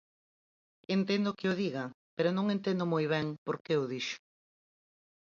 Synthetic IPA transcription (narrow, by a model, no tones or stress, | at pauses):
ent̪end̪ʊkɪʊðiɣapeɾonõŋent̪ẽnd̪ʊmojβ̞ɛŋpoɾkeʊðiʃʊ̥